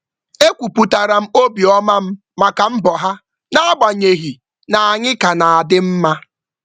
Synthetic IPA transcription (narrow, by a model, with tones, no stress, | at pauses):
e˦kʷu˨pu˨ta˨ɾa˨m̩˦o˦bi˨ɔ˦ma˦m̩˦ | ma˨ka˨m̩˦bɔ˨ɦa˦ | na˦a˦ɡ͡ba˨ɲe˨ɦi˨ | na˨a˨ɲɪ˦ka˨na˨a˨dɪ˦m̩˦ma˦